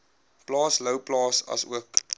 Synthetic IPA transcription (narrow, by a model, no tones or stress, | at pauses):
plɑːsləwplɑːsɐ̰sṵək